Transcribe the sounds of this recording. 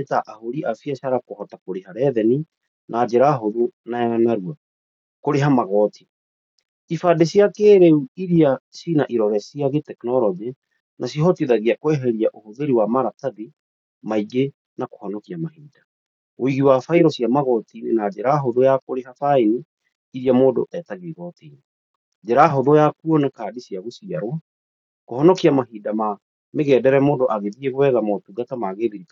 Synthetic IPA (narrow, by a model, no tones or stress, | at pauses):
taʔahoɾiʔafiaɕaɾakohɔtakoɾehaɾɛðɛni | naːd͡ʑeɾaɦoðonajanaɾua | koɾeɦamaɣɔtʰi̥ | ifadeɕiakeːɾeuiɾiasinaʔiɾɔɾɛsiaɣetɛknɔɾɔd͡ʒe | nʔasihɔtiðaɣiakwɛɦɛɾiaʔohoðeɾiwamaɾataði | maiɡe | nako̥hɔnɔkiamahiːda | oiɣiwafaiɾɔsjamaɣɔtinenad͡ʑeɾaɦodojakoɾeɦafainiː | ɾiamoːdo̰ʔɛtaɣeɣɔtine | d͡ʑɛɾaɦodɔjakuɔnakaːdisiaɣosiaɾwa | kohɔnɔkiamaɦiːdama | meɣɛːdɛɾɛmoːdoʔaɣeðieɣowɛðamɔtuɡatamaɣeðiɾika